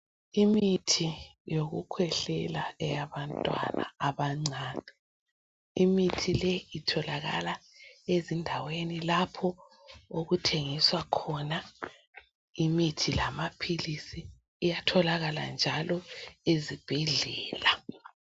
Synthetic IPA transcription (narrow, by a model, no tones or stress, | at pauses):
imitʰijoɣukʰwɛɬɛlaɛjaβantʼwa̰na̰ːβaŋ͡ǀʱaːnɛ | imitʰilɛitʰɔlaɣa̰laezindʱawenilapʰɔ | uɣutʰeŋiswakʰɔna | imitʰilamapʰilisiː | jatʰɔlaɣala̰nd͡ʒʱalɔezib̥ʱɛɮɛːla